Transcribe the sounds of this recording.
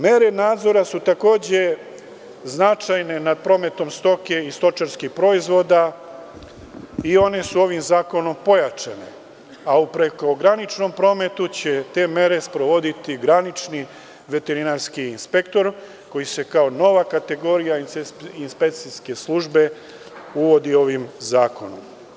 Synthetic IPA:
me̞ɾe̞naːd̪zo̞ɾasut̪ako̞ːd͡ʑe̞ | znat͡ʃajne̞nad̪̚pɾo̞me̞t̪o̞mst̪o̞ke̞ist̪o̞t͡ʃaɾskixpɾo̞izʋo̞d̪a | io̞ne̞suo̞ʋimzaːko̞no̞mpo̞jat͡ʂane̞̰ | aupɾe̞ko̞ɡɾanit͡ʃno̞mpɾo̞me̞t̪ut͡ɕe̞t̪e̞me̞ɾe̞spɾo̞ʋo̞d̪it̪iɡɾanit͡ʃni | ʋe̞t̪e̞ɾinaɾskiːnspe̞kt̪o̞ɾ | ko̞jise̞kaono̞ʋakat̪e̞ɡo̞ɾijaiinspekt̪siske̞slˠuʒbe̞ | uʋo̞d̪io̞ʋimzaːko̞no̰m

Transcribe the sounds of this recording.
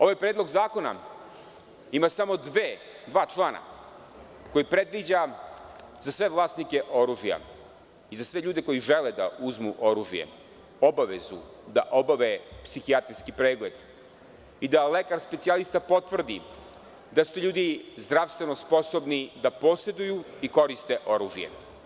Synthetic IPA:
o̞ʋajpɾed̪lˠo̞ɡzaːko̞na̰ | imasamo̞d̪ʋeː | d̪ʋaːt͡ʃlˠaːna̰ | ko̞jipɾe̞d̪ʋid͡ʑa | zasʋe̞ʋlˠaːst̪nike̞ʔo̞ɾuːʒija̰ | izasʋeʎuːd̪e̞ko̞jiʒeled̪a̰uzmuʔo̞ɾuːʒijḛ | obaʋezṵ | d̪aʔo̞baʋepsixiat̪ɾiskipɾeːɡled̪ | id̪alekaɾspe̞t̪sialist̪apo̞t̪vr̩d̪i | d̪asut̪ʎuːd̪izd̪ɾaːʋst̪ʋenospo̞sobnid̪apo̞se̞d̪ujuiko̞ɾist̪eʔo̞ɾuːʒijḛ

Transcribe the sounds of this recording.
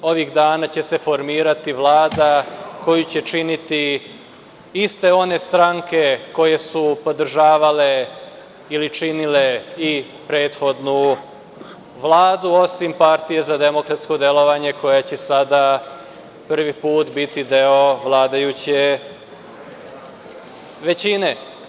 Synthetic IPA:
o̞ʋiɣd̪aːnat͡ɕe̞se̞fo̞ɾmiːɾat̪iʋlˠaːd̪ako̞jut͡ɕe̞t͡ʃinit̪i | ist̪e̞o̞ne̞st̪ɾaŋke̞ko̞je̞supo̞d̪r̩ʒaːʋale̞ | ilit͡ʃinile̞i | pɾe̞ːt̪xo̞d̪nu | ʋlˠaːd̪uo̞simpaɾt̪ije̞zad̪e̞mokɾat̪sko̞d̪elo̞ʋaɲe̞ko̞jat͡ɕesad̪a | pr̩ʋipuːt̪bit̪id̪e̞oʋlˠaːd̪ajut͡ɕe | ʋe̞t͡ɕine̞

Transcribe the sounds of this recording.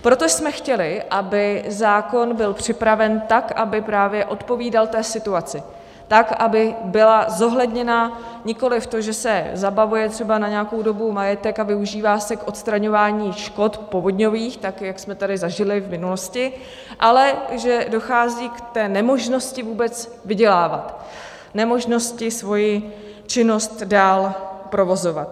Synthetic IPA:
pɾo̞t̪osmɛxcɛlɪʔabɪzaːko̞nbɪlpr̝̥ɪpɾavɛnt̪akabɪpɾaːvjɛʔo̞t̪po̞viːdalt̪ɛːsɪt̪uat͡sɪ | t̪akʔabɪbɪlazo̞ɦlɛdɲɛna | ɲɪko̞lɪft̪oʒɛsɛzabavujɛt̪r̥ɛbanaɲɛako̞wdo̞bumajɛt̪ɛkavɪuʒiːvaːsɛkʔo̞t̪st̪ɾaɲo̞vaːɲiːʃko̞t̪po̞vodɲo̞viːxt̪akjaksmɛt̪adɪzaʒɪlɪvmɪnuloscɪ | ʔalɛʒɛdo̞xaːziːkt̪ɛːnɛmo̞ʒno̞scɪvuːbɛt͡s | vɪɟɛlaːvat̪ | nɛmo̞ʒno̞scɪsvo̞jɪ | t͡ʃɪno̞st̪daːlpɾo̞vo̞zo̞vat̪

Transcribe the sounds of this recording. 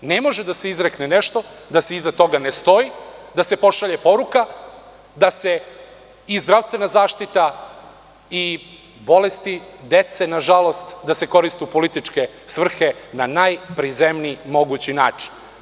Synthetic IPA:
ne̞mo̞ʒed̪aseizɾekneneʃt̪o̞d̪aseizat̪o̞ɡanest̪o̞id̪ase̞po̞ʃaʎe̞po̞ɾuka | d̪ase̞ | izd̪ɾaʋst̪ʋe̞nazaːʃt̪it̪a | i | bo̞lest̪id̪e̞t̪se̞naʒalo̞st̪d̪ase̞ko̞ɾist̪upo̞lit̪it͡ʂke̞ | sʋr̩xe̞nanajpɾizemniːmo̞ɡut͡ɕina̰ːt͡ʂi̥n

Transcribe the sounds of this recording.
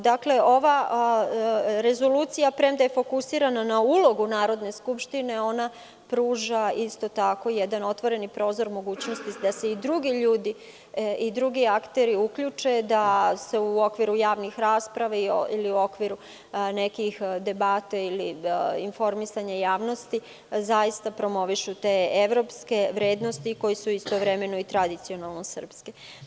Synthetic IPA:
d̪akle̞o̞ʋa | ɾe̞zo̞luːt̪sijapɾemd̪ajefo̞kusiːɾananaulˠo̞ɡunaːɾo̞d̪ne̞skupʃt̪ine̞o̞na | pɾuːʒaist̪o̞t̪ako̞jɛd̪ano̞t̪ʋo̞ɾe̞nipɾo̞ːzo̞ɾmo̞ɡuːt͡ɕnost̪id̪ase̞id̪ɾuɡiʎuːd̪i | id̪ɾuɡiakt̪eɾiukʎut͡ʂe̞d̪ase̞uo̞kʋiɾujaːʋnixɾaːspɾaʋaiiliuo̞kʋiɾu | ne̞kixd̪e̞bat̪ailiinfo̞ɾmisaɲajaːʋno̞st̪i | zaist̪apɾo̞mo̞ʋiʃut̪eːeʋɾo̞pske̞ʋɾeːd̪no̞st̪iko̞jisuist̪oʋɾeme̞noit̪ɾad̪it̪sio̞nalˠnosər̩pske

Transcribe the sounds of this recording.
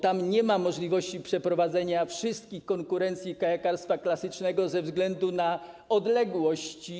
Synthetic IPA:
t̪amɲɛmamɔʐlʲivɔɕt͡ɕipʂɛpɾɔvad̪zɛɲafʂɪst̪̚kʲixkɔŋkuɾɛnt̪sʲjikajakaɾst̪faklasɘt͡ʂnɛɡɔzɛvzɡlɛnd̪una | ɔd̪lɛɡwɔɕt͡ɕi

